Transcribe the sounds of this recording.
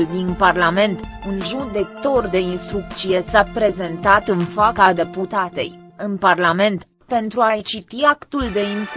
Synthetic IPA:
ld̪inparlame̞nt̪unʒud̪e̞kt̪o̞rd̪e̞inst̪ɾuk̚t̪sije̞sapɾe̞ze̞nt̪at̪ɨnfakad̪e̞put̪at̪e̞̰jɨnparlame̞nt̪ | pe̞nt̪ɾuajt͡ʃit̪iakt̪uld̪e̞ins

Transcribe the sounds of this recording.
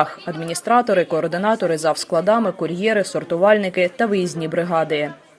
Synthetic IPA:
xɐd̪mʲinʲist̪ɾɑt̪ɔɾɪkɔːrd̪ɪnɑt̪ɔɾɪzɐwsklˠɐd̪ɑmɪkʊɾʲjɛɾɪsɔrt̪ʊʋɑlʲnɪkɪt̪ɐʋɪjizʲnʲibɾɪɦɑd̪ɪ

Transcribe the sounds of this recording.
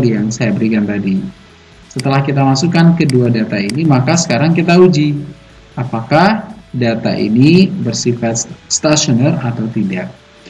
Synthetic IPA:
jaŋsajabəɾikant̪adi | sət̪əlahkit̪amasukankəduadat̪ainimakasə̥kaɾaŋkit̪aud͡ʒi | apakahdat̪a̰ʔḭnibərsifat̪̚st̪aʃonərat̪awt̪idaʔ̚

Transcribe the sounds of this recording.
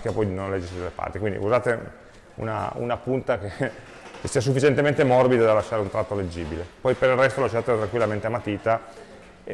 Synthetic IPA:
kapɔjnõnlɛd͡ʒːisid̪elːepa̰rt̪ikwind̪ḭuzaːt̪e | ṵna̰ṵnapunt̪ake | kesːias̬ufːit͡ʃent̪ement̪emɔrbid̪ad̪alːaʃːaɾeunt̪ɾat̪ːoled͡ʒːiːbilepɔjpeɾilrɛst̪olaʃat̪et̪ɾaŋkwilːament̪eamːat̪iːt̪a

